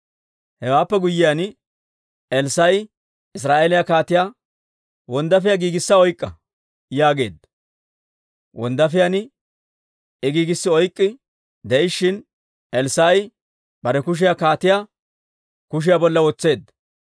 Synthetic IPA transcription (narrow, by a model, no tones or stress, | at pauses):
hɛwaːpːɛɡʊjːɪjanɪ | ɛlsɐj | ɪs̬ɾaːʔeːlɪjakaːt̪ɪjaː | wɔnd̪ɐfɪjaɡiːɡɪsːɐɔjkʼːɐ | jaːɡe̞ːd̪ | wʔɔ̰nd̪ɐfɪjanɪ | ɪɡiːɡɪsːɪɔjkʼːɪ | d̪ɛɪʃːɪn | ɛlsaj | bɐɾɛkʊʃ̬ɪjakaːt̪ɪjaː | kʊʃ̬ɪjabɔlːɐwɔt͡sːe̞ːd̪ɐ